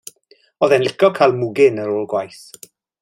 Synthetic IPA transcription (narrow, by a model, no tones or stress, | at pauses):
ɔðɛnlˠɪkʰɔkʰaːlˠmʊɡɪnəɾoːlˠɡwajθ